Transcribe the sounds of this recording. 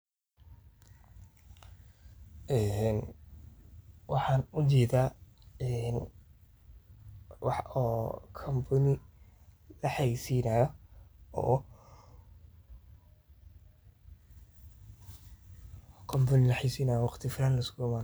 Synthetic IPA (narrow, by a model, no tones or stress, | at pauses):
ʔɛn | wɑħɑːnʊt͡ʃɛːd̪aːɛn | wɑħɔːkʰɔmbʰʊnɪ | lɐħɑjsiːnajɔɔ̰ː | kʰɔmbɐnɪlɐħɑjsiːnaːjɔwɑqt̪ʰɪfɪlaːnlɐɪskʰʊɪmaːn